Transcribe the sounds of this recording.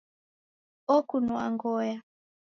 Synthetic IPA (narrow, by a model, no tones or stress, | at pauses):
ɔkunua̰ŋɡɔja